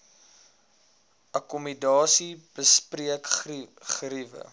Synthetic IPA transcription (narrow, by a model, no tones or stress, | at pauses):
ʔɐkɔmidɑːsib̥əspriəkχrivə̰